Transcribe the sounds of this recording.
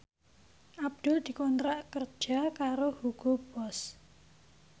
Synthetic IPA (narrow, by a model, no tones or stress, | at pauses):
ʔab̚d̪̥ʊ̤ld̪̥i̤kɔnt̪ɾaʔkərd̥ʒ̥a̤kaɾohuɡ̥ob̥ɔs